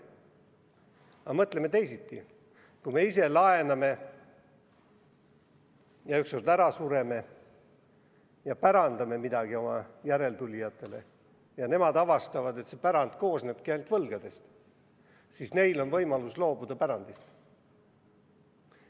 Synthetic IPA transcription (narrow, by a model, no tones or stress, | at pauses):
ɑmɤt̪ˑle̞met̪e̞jsit̪ːˑi | kume̞ise̞lɑe̞nɑme̞ | jɑyksord̪æɾɑsuɾe̞me̞ | jɑpæɾɑnd̪̥ɑme̞mid̪̥ɑɡ̥io̞mɑjæɾe̞lt̪ulʲijɑt̪ːˑe̞le̞̰ | jɑne̞mɑd̪ɑvɑst̪ɑvɑd̪e̞t̪se̞pæɾɑnd̪̥ko̞ːsneb̥̚keelt̪vɤlɡ̥ɑd̪̥e̞st̪ | sisne̞jlo̞nvɤ̞jmɑluslo̞ːbud̪̥ɑpæɾɑnd̪̥ist̪